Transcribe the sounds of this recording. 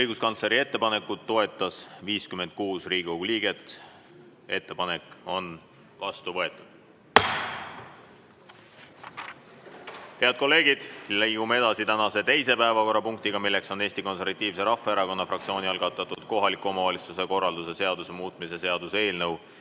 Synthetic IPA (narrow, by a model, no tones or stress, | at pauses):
ɤjɡuskɑnsleɾie̞t̪ːe̞pɑne̞kːˑut̪ːo̞e̞t̪ːˑɑsviːskyme̞nd̪̥̚kuːsriːɡikoɡuliːɡ̥e̞t̪ːˑ | e̞t̪ːe̞pɑne̞kˑo̞n | vɑst̪uvɤ̞e̞t̪ˑːud̪̥ | he̞ɑd̪̥̚ko̞lːeːɡ̥id̪̥lejɡ̥umee̞d̪̥ɑsit̪ænɑse̞t̪e̞jse̞pæevɑko̞rːɑpuŋk̚t̪iɡ̥ɑmilːe̞kso̞ne̞ːst̪iko̞nse̞rvɑt̪ːˑiːvse̞ɾɑfːeeɾɑko̞nːɑfrɑkt̪sio̞ːniɑlɡ̥ɑt̪ːˑɑt̪ːˑud̪̥ko̞ɦɑlikːˑuo̞mɑvɑlit̪suse̞ko̞rːɑld̪use̞se̞ɑd̪̥use̞muːt̪ˑmisese̞ɑd̪̥use̞ːlnɤw